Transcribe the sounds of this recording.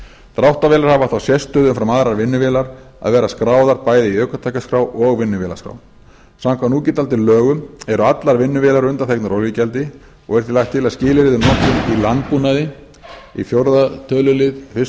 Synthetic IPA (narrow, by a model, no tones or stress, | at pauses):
t̪ɾawht̪avɛːlaɾhavaθawsjɛst̪œːðʏmfɾamaðɾaɾvɪnːʏvɛːlaɾ | a̰ðvɛːɾaskɾaːwðaɾpaːjðɪiœːkat̪ʰajkaskɾawʔɔɣvɪnːʏvɛːla̰skɾa̰w | samkʰvanuːcɪt̪alt̪ɪlœːɣʏmɛɾʏat̪laɾvɪnːʏvɛːlaɾʏnt̪aθɛknaɾɔwljɪcɛlt̪ɪ | ɔɣɛɾ̥θilajht̪ʰːɪlaðscɪːlɪɾɪðʏnɔht̪ʏmilant̪̚puːnaðɪ | ifjowɾðat̪ʰœːlʏlɪðfɪ